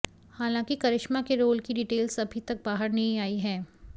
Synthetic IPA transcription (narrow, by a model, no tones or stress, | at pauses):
haːlãːŋkikɐɾɪʃmakeɾoːlkiɖiːʈeːlsɐbʱit̪ɐk̚baːɦəɾnɐɦĩaːiɦɛ̃ː